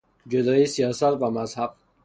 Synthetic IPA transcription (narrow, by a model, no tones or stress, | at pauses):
d͡ʒud̪ɒːjisijɒːsat̪væmazhab̥̚